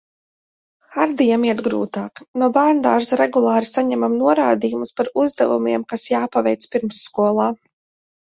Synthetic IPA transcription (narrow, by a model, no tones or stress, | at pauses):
xaɾd̪ijamiɛt̪ɡɾṵːt̪aːknubaɾnd̪aːɾsɾɛɡulˠaːɾisaɲɛmamnuɔɾaːd̪iːjumuspaɾuzd̪ɛvṵmiɛmkasjaːpavɛjt̪spiɾmsːkuɔlˠaː